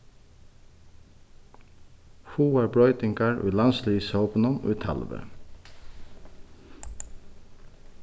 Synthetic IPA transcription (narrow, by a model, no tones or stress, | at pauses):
huːæːbɽɔʏt̪ɪŋkɑɹʔḭːlɑnsliːsoːpnʊno̰ːiːt̪ʰɑ̰lʋə̰